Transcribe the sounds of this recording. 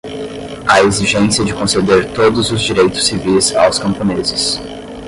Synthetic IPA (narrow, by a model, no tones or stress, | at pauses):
ɐeziʒẽsiɐd͡ʒɪkõsed̪eɾt̪od̪ʊzʊzd͡ʒiɾejt̪ʊ̥sːivijza̰wskɐ̃mpõnezɪs